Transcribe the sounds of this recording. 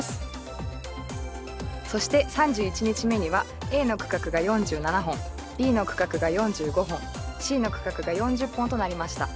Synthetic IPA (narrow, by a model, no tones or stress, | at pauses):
sɨ̥ | so̞ɕi̥t̪e̞sãɲ̟d͡ʑɨːit͡ɕiɲ̟it͡ɕime̞ɲ̟iβa | e̞ːno̞kɯ̟̥kakɯ̟ɡajõ̞ɲ̟d͡ʑɨːnanaɦõ̞ŋ | bʲiːno̞kɯ̟̥kakɯ̟ɡajõ̞ɲ̟d͡ʑɨːɡo̞ɦõ̞ŋɕiːno̞kɯ̟̥kakɯ̟ɡajõ̞ɲ̟d͡ʑɨpːõ̞nt̪o̞naɾʲimaɕi̥t̪a